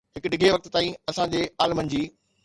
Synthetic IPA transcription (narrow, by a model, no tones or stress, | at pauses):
ɦɪkʊɗɪɡʱeʋɐk̚t̪t̪aːĩɐsãd͡ʑeːaːlmənɪ̆d͡ʑiː